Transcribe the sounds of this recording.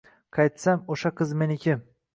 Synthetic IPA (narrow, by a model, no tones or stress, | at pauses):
qʰɑjt̪samoʃaqʰɨzme̞nɪkʰʲɪm